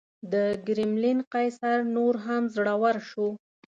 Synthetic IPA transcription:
d̪əɡɾɪmlinqajsaɾnoɾɦamzɽawaɾʃu

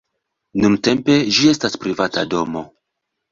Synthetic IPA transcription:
nunte̞mpe̞d͡ʒie̞staspɾivata̰do̞mo̞

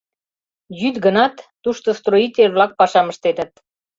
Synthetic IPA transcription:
jyt̪ɡənɑt̪ːuʃt̪ost̪roit̪ʲelβlɑk̚pɑʃɑmə̆ʃt̪et̪ə̆t̪

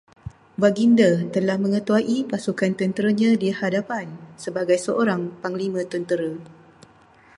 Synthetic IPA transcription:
waɡindət̪əlahmə̃ŋə̃t̪uaʔipasukant̪ənt̪əɾaɲãdihadapansəbaɡajsəʔoɾaŋpaŋlimə̃t̪ənt̪əɾa

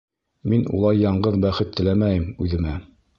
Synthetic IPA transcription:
minṵlˠɑjːɑɴɢɤðbæχɘt̪ːɘ̆læmæjɘmʉðɘ̆mæ

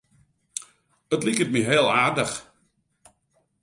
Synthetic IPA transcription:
ətlikət̚miɦeəlˠaːrdəx

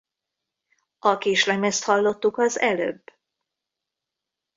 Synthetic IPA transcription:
ɒkeːʃlɛmɛst̪hɒlːo̞t̪ːukɒzɛlø̰b

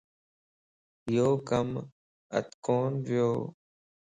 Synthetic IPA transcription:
ɪjoːkəm | ə̰t̪koːnʋɪjoː

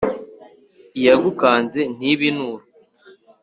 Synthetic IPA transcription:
ijaɡukaːnze̞n̥iβinuːɾu

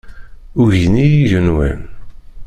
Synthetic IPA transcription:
ʊʝinijiʝənwæ̰n

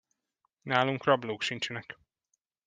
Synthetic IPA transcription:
naːluŋkrɒbloːkʃint͡ʃɛnɛk

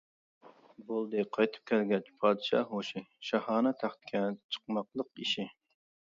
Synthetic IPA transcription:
bolˠd̪ɨqʰɑjt̪ʰɨ̥p̚kʲʰɛlɡʲɛt͡ʃpʰɑːd̪ɨʃɑ̰ːhoʃɪʃɑhɑːnɨt̪ʰæχt̪ɪ̥kʲʰɛt͡ʃʰə̥qmɑqlˠəqiʃɪ

